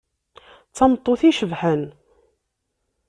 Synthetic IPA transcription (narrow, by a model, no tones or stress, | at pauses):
t͡sːɑmt̪ˤːoθiʃəvħən